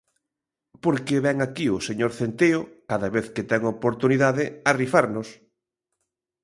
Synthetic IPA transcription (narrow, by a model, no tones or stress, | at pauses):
poɾkeβɛŋakiʊseɲoɾθent̪eʊkaðaβeθket̪ɛŋopoɾt̪uniðaðɪarifaɾnʊs